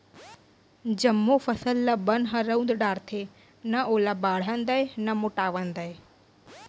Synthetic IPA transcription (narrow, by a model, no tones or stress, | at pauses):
d͡ʑəmːofəsəlːabənɦəɾəũnd̪ɗaːɾt̪ʰe | nəʔolabaːɽ̤ənd̪ajnəmoʈaːʋənd̪əe